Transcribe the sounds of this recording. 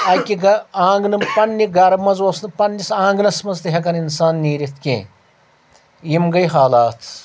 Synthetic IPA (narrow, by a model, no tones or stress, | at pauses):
ɐkʲiɡɐãːŋɡnɨmpɐnːiɡɐɾɐmɐzoːsnɨpɐnːisãːŋɡnɐsmɐzt̪ɐɦɐk̬ɐninsaːnːiːɾit̪ʰkʲḛ̃ː | jimɡɐjɦaːlaːt̪ʰ